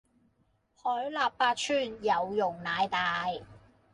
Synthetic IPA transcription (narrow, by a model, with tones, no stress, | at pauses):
hɔː˨˥jlaː˨pːaː˧t̚t͡ʃʰyː˥njɐ˨˧wjʊ˨˩ŋnaː˨˧jt̪aː˨˧j